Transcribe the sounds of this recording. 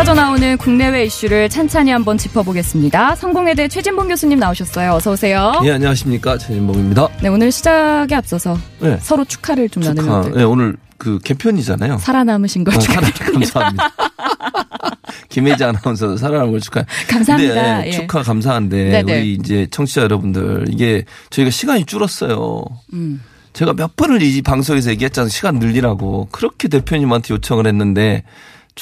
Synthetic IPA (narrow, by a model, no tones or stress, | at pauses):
ad͡ʑʌnaonɯnkuŋne̞we̞iɕ͈uɾɯɭt͡ɕʰant͡ɕʰaɲiɦambʌnt͡ɕipʰʌboɡe̞s͈ɯmɲidasʰʌŋɡoŋe̞deet͡ɕʰwe̞d͡ʑimbʌŋɡjosʰuɲimnaoɕʰʌs͈ʌjoʌsʰʌbosʰe̞jojeaɲiwaɕʰimɲik͈at͡ɕʰwed͡ʑimboŋimɲidane̞onɯɭɕʰid͡ʑaɡeap̚s͈ʌsʰʌje̞sʰʌɾot͡ɕʰu̥kʰaɾɯɭt͡ɕomnanɯjdeje̞onɯɭ | kɯke̞pʰjʌɲid͡ʑa̰na̰jo̰sʰaɾanamɯɕʰinɡʌaakamsʰam | kimed͡ʑaŋnamʌns̬ʰʌdosʰaɾananŋɡʌɭt͡ɕʰu̥kʰajekamsadeet͡ɕʰukʰakams̬ʰaɦande̞uɾiːnd͡ʑe̞t͡ɕʰʌŋt͡ɕʰid͡ʑajʌɾʌbundɯ̰ɾḭɡe̞t͡ɕʌiɡaɕʰiɡaɲit͡ɕ͈uɾʌs͈ʌjo̰ | t͡ɕe̞ɡamjʌp͈ɯnɯɾipaŋs̬ʰoɡes̬ʌjeɡiɦet̚t͡ɕ͈aɯnɕʰiɡanːɯʎːiɾaɡo̰kɯɾʌkʰe̞t̬e̞pʰjoɲimantʰejot͡ɕʰʌŋɯɭhe̞nːɯnde̞